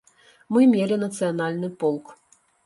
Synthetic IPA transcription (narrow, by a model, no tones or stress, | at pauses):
mɨmʲelʲinɐt̪sɨjanalʲnɨpɔlˠk